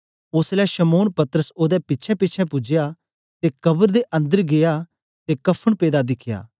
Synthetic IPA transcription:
ʊslɛʃəmoːnpɐt̪əɾəsoːd̪ɛpɪtːt͡ʃʰɛpɪːt͡ʃʰɛpʊd͡ʒja | t̪ekɐbəɾd̪eʔɐ̃nd̪əɾɡeja | t̪ekɐpʰːəɽ̃peːd̪ad̪ɪkʰja̰ː

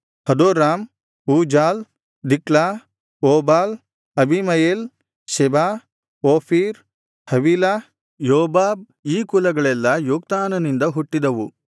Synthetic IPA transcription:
hɐd̪oːɾaːm | uːd͡ʒaːl | d̪ikɭa | oːbaːl | ɐbʱimɐjeːl | ʃɛba | oːpʰiːɾ | hɐʋiːla | joːbaːb̚ | iːkulɐɡɐɭɛlːɐjuːk̚t̪aːnɐnind̪ɐɦuʈːid̪ɐʋu

